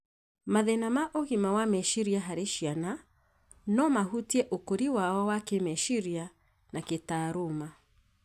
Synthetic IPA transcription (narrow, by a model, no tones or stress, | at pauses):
maðɛnamaʔoɣimawamɛʃiɾiaɦaɾeʃiana | nɔmahutiɛʔokoɾiwaɔwakemɛʃiɾia | naketaɾoma